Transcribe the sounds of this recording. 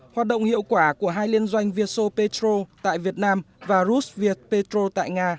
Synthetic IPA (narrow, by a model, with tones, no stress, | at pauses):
hwaː˨˩t̚ɗə̰˧˨wŋ͡mhḭ˧˨əwkwaː˧˩ku˧˩əɦaː˧jli˧ənzwa˧jŋ̟vi˧əso˧pe˧t̪ɾo˧t̪a̰ː˧˨jvi˨˩ət̚naː˧m | vaː˨˩zu˦˥svi˧˩ət̚pe˧t̪ɾo˧t̪a̰ː˧˨jŋaː˧